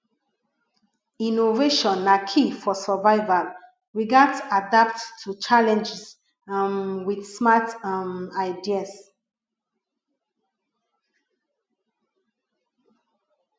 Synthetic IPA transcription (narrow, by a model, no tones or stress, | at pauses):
ĩnoveʃɔ̃nːãkʰifɔsavaɪva | ɹiɡadsadap̚ttʰːut͡ʃalɛ̃nd͡ʒis | ãnwidsmatamaɪdias